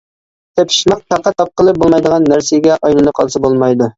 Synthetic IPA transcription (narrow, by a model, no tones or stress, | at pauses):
t̪ʰɛpʰi̥ʃmɑq̚t̪ʰæqːæt̪ːɑp̚qʰəlˠɨp̚bolˠmɑjd̪əʁɑnːæɾsiɡʲɛʔɑjlɨnɨqʰɑlˠsɨbolˠmɑjd̪u